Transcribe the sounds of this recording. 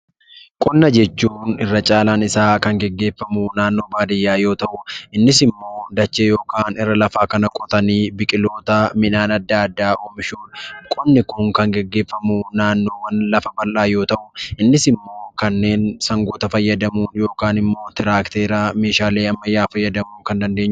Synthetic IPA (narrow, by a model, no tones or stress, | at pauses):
kʼɔnːɐd͡ʒɛt͡ʃːuːnɪrːɐt͡ʃʼaːlaːnɪsaːkɐŋɡɛɡːe̞ːfːɐmunaːnːo̞ːbaːd̪ɪjːaːjo̞ːt̪ɐʔʊʔɪnːɪsɪmːo̞ːd̪ɐt͡ʃːejo̞ːkaːnɪrːɐlɐfaːkɐnɐkʼɔt̪ɐniːbɪkʼɪlo̞ːt̪ɐmɪnaːnɐd̪ːaːd̪ːaːʔoːmɪʃuːᶑkʼɔnːɪkʊŋkɐŋɡɛɡːe̞ːfːɐmunaːnːo̞ːwɐnlɐfɐbɐlʔaːjo̞ːt̪ɐʔʊʔɪnːɪsɪmːo̞ːkɐnːe̞ːnsɐŋɡoːt̪ɐfɐjːɐd̪ɐmuːnjo̞ːkaːnɪmːo̞ːt̪ɪɾaːkt̪eːɾaːme̞ːʃaːleːɐmːɐjːaːfɐjːɐd̪ɐmuːŋkɐnd̪ɐnd̪eːɲːʊ